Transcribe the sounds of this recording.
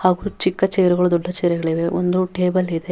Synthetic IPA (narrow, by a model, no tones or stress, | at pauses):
haːɡuːt͡ʃikːɐt͡ʃejɾɛɡɐɭud̪ɔɖːɐt͡ʃeːɾɛɡɐɭiʋeʔo̰nd̪uʈeːbɐlid̪e